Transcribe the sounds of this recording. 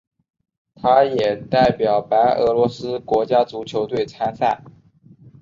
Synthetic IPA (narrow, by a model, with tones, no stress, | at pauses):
t̪ʰa˥jɛ˨˩t̪a˥˩ɪpjɑ˨˩ʊpa˧˥ɪʔɤ̰˧˥lwɔ˧˥sɹ̩˥kwɔ˧˥t͡ɕja˥t͡su˧˥t͡ɕʰjo˧˥ʊt̪we˥˩ɪt͡sʰa˥sa̰˥˩